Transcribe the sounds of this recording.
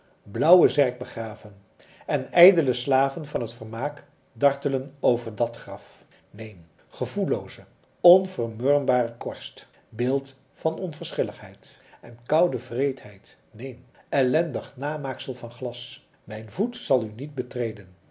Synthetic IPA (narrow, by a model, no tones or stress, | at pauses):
blʌwəzɛɹɡ̚bəχraːvən | ɛnɛjdələslaːvənvɑnɦətfəɹmaːk | dɑɹtələnowvəɹdɑtχrɑf | nejn | χəvulowzə | ɔnvərmøːɹmbaːrəkɔɹst | bɪːlˠt | fɑnɔnvəɹsχɪləχɦɛjt | ʔɛnkʌwdəvrejtɦɛjt | nejn | ɛlɛndəχnaːmaːksəlˠvɑnχlɑs | mɛjnvutsɑlˠynid̚bətrejdən